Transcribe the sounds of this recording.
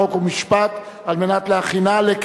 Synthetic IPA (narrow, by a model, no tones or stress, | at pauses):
okumiʃpat̪ | almenat̪leaχinalek